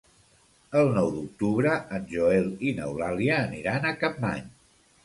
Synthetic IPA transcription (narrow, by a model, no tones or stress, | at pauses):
əlˠnɔwd̪uk̚t̪uβɾəənʲʒoelinə̰wlaliəːniɾanəkap̚ma̰ɲ